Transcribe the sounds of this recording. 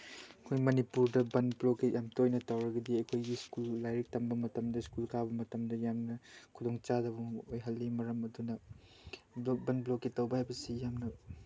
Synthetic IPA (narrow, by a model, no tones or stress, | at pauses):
ɐkʰojmɐnipuɾdɐbɐnblokejʔamtojnɐtɐwɾɐɡɐdiɐjkʰojɡiskulːajɾek̚tɐmbɐmɐtɐmdɐskulkʰabɐmɐtɐmdɐjamnɐkʰudoŋt͡ʃadɐβɐojɦɐlːimɐɾɐmɐdunɐ | bbɐnblokitɐwbɐhajbɐsijamnɐ